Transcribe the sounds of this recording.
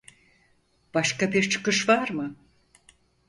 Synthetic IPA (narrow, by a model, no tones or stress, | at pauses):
b̥aʃkabiɾt͡ʃʰɯ̥kɯʃvaɾmɯ